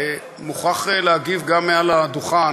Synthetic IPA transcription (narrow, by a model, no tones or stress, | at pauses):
muχaχleaɡivɡamːealad̪uχa